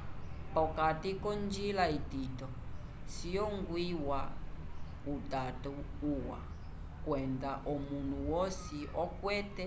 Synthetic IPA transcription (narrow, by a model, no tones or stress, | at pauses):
pɔkatikɔnd͡ʒilaititɔ | sijɔŋɡwiwa | utatu | uwa̰ | kwɛndaʔɔmun̤uwɔsiɔkwɛtɛ